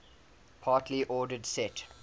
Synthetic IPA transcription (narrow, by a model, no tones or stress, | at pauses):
pʰɑːˑtʰliʔɔːdədsɛt